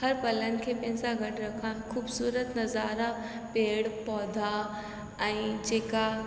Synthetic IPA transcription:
hɐɾpɐlənɪ̆kʰeːpɐ̃ɦɪ̃ɲd͡zaɡɐʈɾɐkʰãxʰuːbsuːɾət̪nɐzaːɾa | peːɽpɔːd̪ʱa | ɛ̃ːd͡ʑeːka

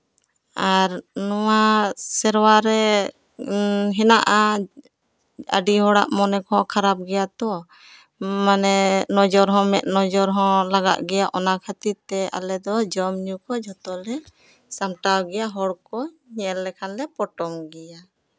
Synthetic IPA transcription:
aɾnɔwasɛɾwaɾɛ | ɦɛnaʔa | ə̰ɖiɦɔɽa̰ʔmɔnɛkɔɦɔ̃kʰaɾap̚ɡɛjat̪ɔ | manɛnɔd͡ʒɔɾɦɔ̃mɛt̪̚nɔd͡ʒɔɾɦɔ̃laɡa̰ʔɡɛjaʔɔnakʰat̪iɾt̪ɛʔa̰lɛd̪ɔd͡ʒɔmɲukɔd͡ʒʱɔt̪ɔlɛ | samʈawɡɛjaɦɔɽkɔ | ɲɛɛlːɛkʰanlɛpɔʈɔmɡɛja

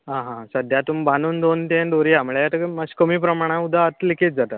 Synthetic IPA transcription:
ɦãɦãsəd̪ʱjat̪umbanuːnd̪ont̪enɖ̪oɾiːɦamɭjajat̪əkməskəmiːpɾəmaɽ̃ãud̪ʱaət̪liket̪̚d͡zat̪a

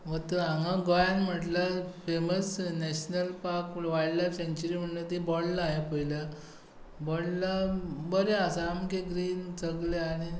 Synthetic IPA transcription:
ʋət̪əãŋɡãɡɔjanm̤əʈlafeməsnɛɕnəlpaɾkʋaɽlaseɲt͡ɕəɾiːm̤əɳnət̪ibɔɽlaaɦepəjla | bɔɽlabəɾeasaːmkeɡɾiːnt͡səɡlaaɽ̃i

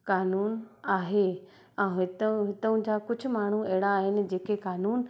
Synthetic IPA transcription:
kaːnuːnaːɦe | ãɦɪt̪ɦɪt̪əũd͡ʑaːkʊd͡ʑʱʊ̆maːɳ̤uɛɦɪɽaːɦɪnɪ̆d͡ʑeːkekaːnuːn

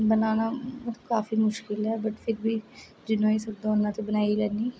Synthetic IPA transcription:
bənaːnaːkaːfiːmʊʃkɪlɦɛːbəʈpʰɪɾbiː | d͡ʒɪnõːeːsəbd̪ãːʊnːãːt̪eːbənaːiːlɛːniː

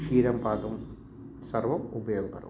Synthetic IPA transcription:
fiːɾɐmpaːt̪ɐm | sɐrʋɐmubɐjoːɡɐkɐɾɐ̰

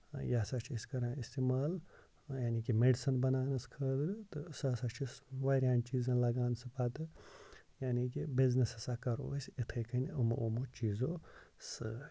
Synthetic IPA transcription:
jasat͡ʃʰisʲkɐɾãːist̪iːmaːl | jaːnikimeɖisɐnbɐnaːnɐskʰəːd̪ɾt̪ɨsɐsat͡ʃʰisʋaːɾʲjaːnt͡ʃiːzɐ̃nlɐɡaːnsɨpɐt̪ɨ | jaːnikibiznɐsɐsakɐɾo̰ːsʲit̪ʰɐkɐnɐmɐʔomot͡ʃiːzoː | sɨ

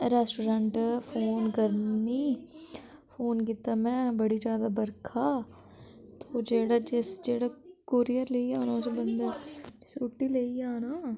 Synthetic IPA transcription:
ɾɛːsʈoːɾãɳʈfoːnkɐɾni | foːnkɪt̪ːamɛ̃bɐɽid͡ʒjaːd̪abɐɾkʰaː | t̪oːd͡ʒeːɽad͡ʒesd͡ʒeːɽakoːɾijəɾleːiaːnasebɐ̃nd̪əɾd͡ʒɪsʊʈːileːiaːnaː

